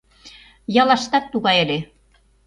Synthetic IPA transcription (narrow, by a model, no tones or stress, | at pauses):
jɑlɑʃt̪ɑk̚t̪uɣɑjĕlʲe